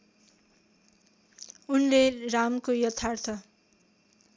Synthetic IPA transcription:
unleramkojʌt̪ʰːart̪ʰʌ

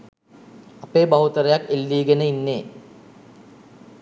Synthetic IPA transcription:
ɐpeːbɐɦut̪ɐɾejakːelːiːɡɐnəinːeː

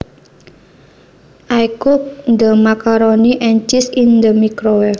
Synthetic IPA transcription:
ʔajkuk̚nd̪əmakaɾoniʔɛnt͡ʃisind̪əmikɾowɛ

